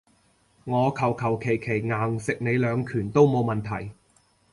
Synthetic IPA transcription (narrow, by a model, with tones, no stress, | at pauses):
ŋɔː˨˧kʰɐ˨˩wkʰɐ˨˩wkʰe˨˩jkʰe˨˩jŋaː˨˩ŋsɪ˨k̚ne˨˧jlœː˨˧ŋkʰyː˨˩nt̪o˥wmo˨˧wmɐ˨nt̪ʰɐ˨˩j